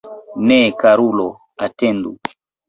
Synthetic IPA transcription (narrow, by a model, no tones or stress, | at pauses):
nɛkaɾulɔ | atɛndu